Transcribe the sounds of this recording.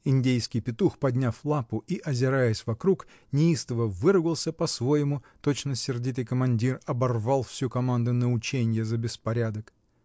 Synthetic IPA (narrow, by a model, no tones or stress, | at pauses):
ɪnʲdʲejskʲɪjpʲɪt̪uxpɐd̪ʲnʲaflˠapʊʔiʔɐzʲɪɾajəsʲvɐkɾuk | nʲɪist̪əvəvɨɾɨɡəlˠsʲəpɐsvo̞jɪmʊ | t̪o̞t͡ɕnəsʲɪrdʲit̪̬ɨjkəmɐnʲdʲirɐbɐrvalˠfsʲukɐmand̪ʊnəʊt͡ɕenʲɪjəzəbʲɪspɐɾʲad̪ək